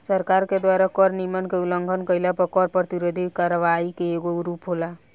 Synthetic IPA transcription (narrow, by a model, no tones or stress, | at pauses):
səɾkaɾked̪waɾakɔɾnimənkeuləŋɡʱənkəjlapəkɔɾpɾət̪iɾod̪ʱikaɾəʋaikeːɡoɾupɦola